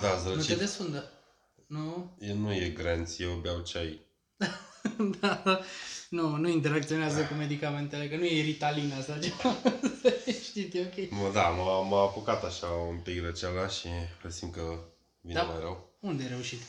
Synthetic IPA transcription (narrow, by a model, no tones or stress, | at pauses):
d̪asɾənued̪esfund̪ə | nujenujeɡɾent̪sʲjewbjawt͡ʃaj | d̪̥ad̪a | nunuint̪̬eɾak̚t̪sio̞neazəkume̞d̪ikame̞nt̪elekənuje̞ɾit̪alinast̪at͡ʃea | ʃt̪it̪jeokʲejməd̪amamaːpokat̪aʃaumpikɾət͡ʃalaʃifəsimkə | vinemajɾəwund̪ejɾe̞uʃit̪